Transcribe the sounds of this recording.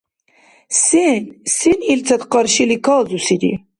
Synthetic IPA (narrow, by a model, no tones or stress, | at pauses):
sensinilt͡s̪ʰɐt̪qɑɾʃilikʰɑːzusid̪ḭ